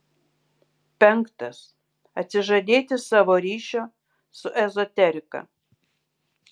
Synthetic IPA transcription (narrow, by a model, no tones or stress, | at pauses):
pʲɛŋkt̪ɐs | ɐt̪ʲsʲɪʒɐd̪ʲeːt̪ʲɪsɑːʋoːɾʲiːʃʲoː | sʊʔɛzɔt̪ʲɛɾʲɪkɐ̰